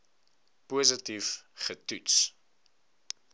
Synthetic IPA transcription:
puːzətifχətuts

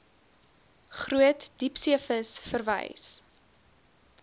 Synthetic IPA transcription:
χruətd̥ipsiəfəsfərvə̰js

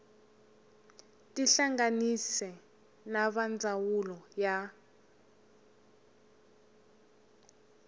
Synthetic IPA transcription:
tiɬaŋɡanisɛ | naβand͡zawulɔja

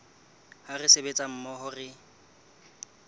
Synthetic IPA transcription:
harɪsebet͡sʼam̩mɔɦʊrɪ

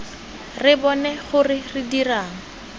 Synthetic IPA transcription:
rɪbɔnɛχʊrɪridiraːŋ̩

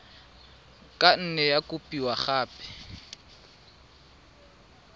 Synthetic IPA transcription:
kʼan̩nɛjakʼʊpʼiwaχaːpɛ̥

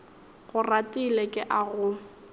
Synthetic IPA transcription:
ɣʊratʼilekʼɪʔaɣʊ

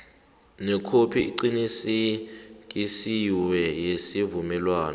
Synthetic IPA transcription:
nɛkʰopʰiḭǃinisik̬ʼisiwɛjesivumɛlwaːna

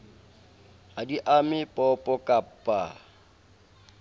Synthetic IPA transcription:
hadiʔamɪpʼɔpʼɔkʼapʼːa̰

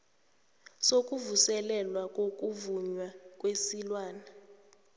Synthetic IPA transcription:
sokʼuvusɛlɛlwakʼokʼuvuɲwak̬ʼwesilwaːna

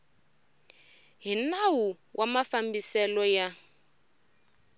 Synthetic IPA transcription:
ɦinawu | wʔamafambisɛlɔja

